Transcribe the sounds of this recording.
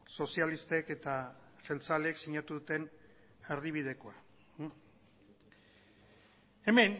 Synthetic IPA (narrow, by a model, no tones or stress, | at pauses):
so̞sialist̪e̞ke̞t̪aselt͡saleksiɲat̪uðut̪e̞n | eɾðiβ̞ið̞e̞ko̞a | e̞me̞n